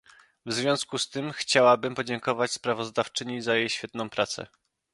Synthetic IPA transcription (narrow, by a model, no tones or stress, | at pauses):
vzvʲjɔ̃skust̪ɘmxt͡ɕawabɘmpɔd͡ʑɛŋkɔvat͡ɕspɾavɔzd̪aft͡ʂɘɲizajejɕfʲjɛt̪nɔ̃w̃pɾat̪sɛ̰